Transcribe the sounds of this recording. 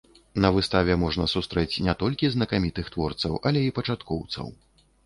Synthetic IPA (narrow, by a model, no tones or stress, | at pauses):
nɐvɨst̪avʲɛmɔʐnɐsust̪ɾɛt͡sʲnʲɛt̪ɔlʲkʲiznɐkamʲit̪ɨxt̪vɔrt̪sɐ̰wʔɐlʲɛipɐt͡ʂat̪kɔwt̪sɐ̰w